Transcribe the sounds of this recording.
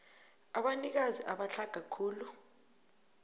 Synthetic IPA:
aɓanik̬aziʔaɓaɬʰaɡ̥ʱakʰuːlu

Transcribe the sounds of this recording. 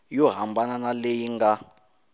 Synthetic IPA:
jɔɦambananalejiŋɡa

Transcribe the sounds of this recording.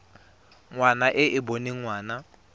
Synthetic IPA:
ŋwanaʔɪʔɪboniŋwaːna

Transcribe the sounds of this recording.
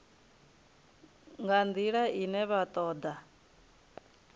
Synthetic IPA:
ŋɡand̪iɺainɛβat̪ʼɔːd̪a

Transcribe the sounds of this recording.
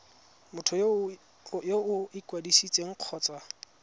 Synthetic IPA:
mʊtʰʊ | joʊɪkʼwadisit͡sʼeŋ̩q͡χʰɔːt͡sʼwa

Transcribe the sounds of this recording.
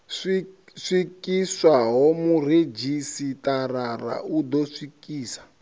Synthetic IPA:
ʂiʂikiswaɦɔmured͡ʒisitarara̰ʔud̪ɔsikiːsḁ

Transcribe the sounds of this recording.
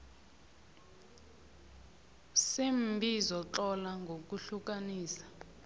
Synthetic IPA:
sembʱizɔt͡ɬɔlaŋɡʱok̬uɬuk̬aniːsḁ

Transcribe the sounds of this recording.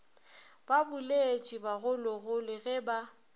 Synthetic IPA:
b̥abʊlet͡ʃʼibaɣʊlɔɣʊlɪɣɛba

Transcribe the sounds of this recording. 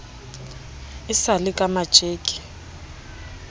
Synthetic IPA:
ɪsalɪkʼamad̥ʒ̥ʼʱeːkʼi̥

